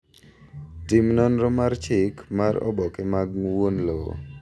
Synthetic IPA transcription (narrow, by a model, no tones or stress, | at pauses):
tɪmnɔnɾɔmart͡ʃɪkmaɾɔ̰bɔkɛmaɡwonlowo̰